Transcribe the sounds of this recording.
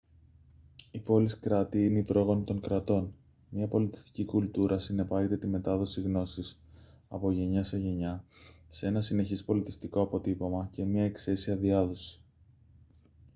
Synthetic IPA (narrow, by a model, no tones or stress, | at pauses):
ipo̞liskɾɐt̪iineipɾo̞ɣo̞nit̪o̞ŋkɾɐt̪o̞n | mɲɐpo̞lit̪i̥st̪i̥cikult̪uɾʔɐsine̞pɐʝe̞t̪e̞t̪ime̞t̪ɐðo̞siɣno̞sis | ɐ̰po̞ʝe̞ɲɐse̞ʝe̞ɲɐsee̞nɐsine̞çispo̞lit̪i̥st̪iko̞ɐpo̞t̪ipo̞mɐce̞mɲɐekse̞siɐðiɐðo̞si̥